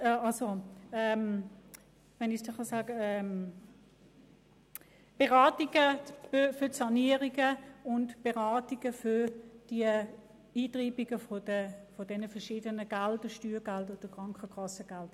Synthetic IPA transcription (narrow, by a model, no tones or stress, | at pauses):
ɑlsoɛm | ʋɛnɪsd̥iχɑsaːɡəɛm | b̥eʁaːtiɡ̥əbfʏtsɑniəʁiɡəʊntb̥eʁaːtiɡ̥əfʏd̥iə | iːtʁiːbiɡəfodəfɔdɛnəfəɐʃiːdənəɡ̥aldəʃtyːɡaldod̥əkʁ̥ɑŋkəkʰɑsəɡ̥ald̥